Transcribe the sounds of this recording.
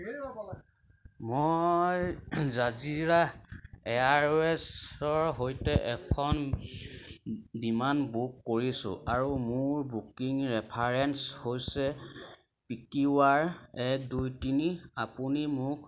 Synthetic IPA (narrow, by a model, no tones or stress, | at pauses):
mojzaziɹaɛaɹɛsɔɹɦojtɛʔɛkʰɔn | bimanbukːoɹisʊ̰ʔaɹumʊɹbukiŋɹɛpʰaɹɛnshojsɛ | pikiwaɹɛk̚dujtiniapunimʊk